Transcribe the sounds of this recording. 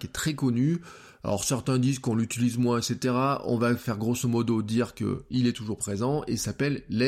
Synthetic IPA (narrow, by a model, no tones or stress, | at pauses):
kʲɛt̪χɛkɔny | a̰ɔ̰ʁsɛʁt̪ɛ̃d̪izkɔ̃lyt̪ilizmwɛ̃ɛkset̪eʁaɔ̰̃vafɛʁɡʁosɔmɔd̪od̪iʁkə̰ilɛt̪uʒuʁpχezɑ̃ḛsapɛlːɛ